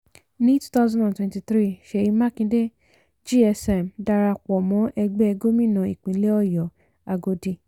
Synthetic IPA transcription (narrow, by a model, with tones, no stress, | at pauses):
nĩ˦tu̥˦ta˦zɔ̃˦ndã˨twɛ̃˨nti˧t̪ɾi˦ʃe˨ji˨˧ma˦kĩ˧de˦ | d͡ʒi˦ɛ˧sɛ˧˨mda˧ɾa˧k͡pɔ˨mɔ̃˨˦ʔɛ˧ɡ͡bɛ˦ɛ˧ɡo˦mĩ˦˨nã˨ḭ˨k͡pĩ˨˦le˦ɔ˦jɔ˨ | a˧ɡo˧dĩ˧˨